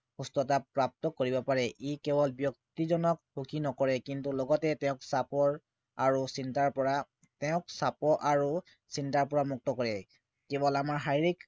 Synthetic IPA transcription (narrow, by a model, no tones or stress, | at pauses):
xustɔtapɹap̚tɔkoɹibɔpaɹɛʔikebɔlbjɔk̚tizɔnɔkhukʰinɔkɔɹɛkintulɔɡɔtɛtɛʊ̃ksapɔɹ | aɹusintaɹpɔɹa | tɛʊ̃ksapɔʔaɹu | sintaɹpɔɹamuk̚tɔkɔɹɛ | kebɔlamaɹɦajɹik